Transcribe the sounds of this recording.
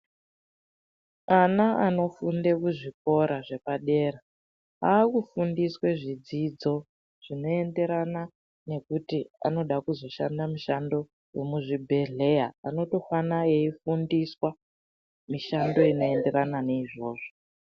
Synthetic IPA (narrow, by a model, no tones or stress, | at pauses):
anaʔano̞funde̞kuʐik̚o̞ɾaʐe̞paɗe̞ːɾa | aːkufundiswe̞ʐid͡zid͡zo̞ | ʐ̥ino̞e̞nde̞ɾana | ne̞kutia̰no̞ɗakuzo̞ʃa̰ndamiʃando̞ | je̞muʐibʱe̞ɮe̞jaano̞to̞fanaeifundiswa | miʃando̞ino̞e̞nde̞rananeiʐo̞ːʐo